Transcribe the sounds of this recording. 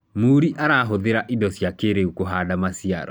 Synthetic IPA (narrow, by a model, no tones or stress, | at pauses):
muːɾiʔaɾaɦoðeɾaʔidɔsjakeɾeukoɦadamasia̰ɾɔ̰